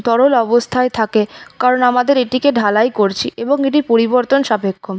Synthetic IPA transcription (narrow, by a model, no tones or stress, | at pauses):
t̪ɔɽolɔbost̪ʰaet̪ʰakekaɾonamad̪eɾeʈikeɖʱalajkoɾt͡ɕʰiʔeboŋeʈipoɾiboɾt̪onʃabekʰːom